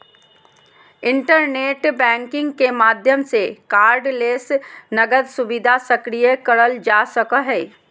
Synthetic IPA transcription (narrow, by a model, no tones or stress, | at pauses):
ɪ̃ɳʈəɾneːʈbɛ̃ːŋkɪ̃ŋɡkemaːd̪ʱjəmsekaːɾɖleːsnɐɡəd̪sʊbɪd̪ʱasəkɾijəkəɾəld͡ʒaːsəkəɦɛː